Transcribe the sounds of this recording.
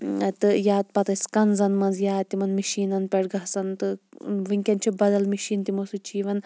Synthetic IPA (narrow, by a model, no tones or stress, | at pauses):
t̪ɨjaːt̪̚pɐt̪ɐsʲkɐnzɐnmɐnzjaːt̪imɐnmiʃiːnɐnpʲeɽɡɐɦsɐnt̪ɨʋɨŋʲkʲɐnt͡ʃʰibɐd̪ɐlmiʃiːnt̪imosɨt͡ʃiːʋɐn